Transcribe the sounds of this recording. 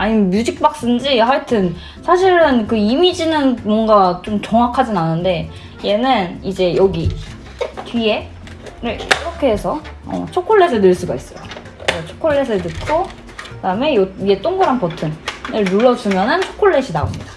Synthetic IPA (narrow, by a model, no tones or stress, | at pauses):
aɲimjud͡ʑik̚p͈ak̚s͈ɯnd͡ʑiɦaɭtʰɯn | sʰaɕʰiɾɯnkɯimid͡ʑinɯnmwʌŋɡat͡ɕomt͡ɕʌŋɦakʰad͡ʑinanɯnde̞ | je̞nɯnid͡ʑe̞jʌɡi | tɥie̞ | ɾɯɭḭɾʌkʰe̞ɦesʰʌʌ̰t͡ɕʰokʰoɭːesʰenɯɭs͈uɡais͈ʌjo | et͡ɕʰo̥kʰoɭːe̞sʰɯtɯt̚k͈ʰo | kkɯdaɯme̞joje̞t͈oŋɡoɾanpʌtʰɯnɯɭnuɭːʌs͈ɯmjʌnɯnt͡ɕʰo̥kʰoɭːe̞ɕʰina̰o̰mɲid̥a